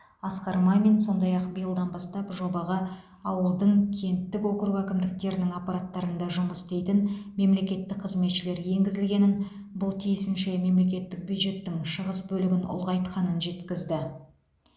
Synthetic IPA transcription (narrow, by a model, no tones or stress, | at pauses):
ɑsqɑɾmɑjme̞nso̞nd̪ɑjɑqbijəlˠd̪ɑnbɑst̪ɑpʒo̞bɑʁɑ | ɑwəlˠd̪əɴkʲʰe̞nt̪ːɪko̞kɾupækʲɪmd̪ɪk̚t̪e̞ɾd̪ɪŋapɑɾat̪ːɑɾənd̪ɑʒʊməsd̪e̞jt̪ɪnme̞mle̞kʲe̞t̪ːɪk̚qʰəzme̞t̪ʃɪle̞ɾje̞ŋɡʲɪzɪlɡʲe̞nɪn | bʊlˠt̪ʰijɪsɪnʃe̞me̞mle̞k̬ʲe̞t̪ːɪk̚bjud̪ʒe̞t̪ːɪŋʃəʁəsbɵlɪɡʲɪnʊ̰lˠʁɑjt̪qɑnənʒe̞t̪kʲɪzd̪ɪ